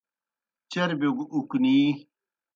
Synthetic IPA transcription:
t͡ɕeɾbeɡukniː

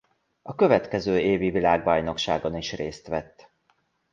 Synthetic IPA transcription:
ɒkø̞vɛt̪kɛzøːeːvivilaːɡbɒjno̞kʃaːɡo̞niʃreːst̪ʋɛt̪ː

